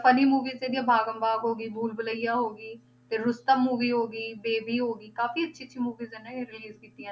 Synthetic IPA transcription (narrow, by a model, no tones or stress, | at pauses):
pʰəniːmuːʋiːzeːd̪ijãːbʱaːɡəmbaːɡɦoːɡiːbʱuːlbələijaːɦoːɡiː | t̪eːɾʊst̪əːmuːʋiːɦoːɡiːbeːbiːɦoːɡiːkaːfiːətːʃʰiːətːʃʰiːmuːʋiːzenːaːeɾɪliːzkiːt̪iãː